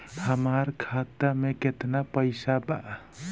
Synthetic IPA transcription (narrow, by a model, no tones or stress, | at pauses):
həmaɾkʰat̪ameket̪napəɪsaba